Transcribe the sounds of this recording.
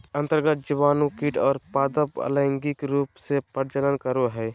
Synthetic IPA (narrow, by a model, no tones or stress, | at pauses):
ə̃nt̪əɾɡət̪̚d͡ʒɪʋaːnukiʈɔːɾpaːd̪əpə̰ləɪŋɡikɾuːpsepəɾd͡ʒələnkəɾoɦɛː